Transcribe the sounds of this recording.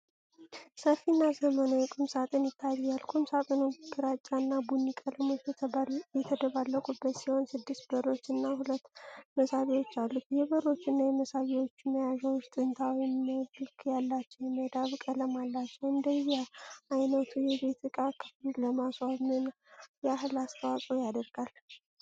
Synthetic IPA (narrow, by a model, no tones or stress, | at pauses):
səfːinːazəmənojɛkʼɨmsat̪ʼɨnjɪt̪ʰːajɛjalkʰɨmsat̪ʼɨnoɡɨɾat͡ʃʼːanːabunːikʼələmot͡ʃːjɛt̪ʰəd̪əβalːəkʼubːət̪siho̞nsɨd̪ːɨst̪bəɾo̞t͡ʃːɨnːahulət̪ːməsaβiwo̞t͡ʃːalːukjɛbəɾo̞t͡ʃːɨnːajɛməsaβiwo̞t͡ʃːməjaʒəwʊʃt̪ʼɨnt̪ʰawiməhɨlkʰjalːat͡ʃːɛwjɛmːəd̪aβkʼələmalːat͡ʃːɛwɨnd̪əjɛʔajnət̪ʰujɛbe̞t̪ɨkʼakʰɨ̥fɨlləmaswamɨn | jɛaɦlast̪ʰəwasʼojad̪əɾɡal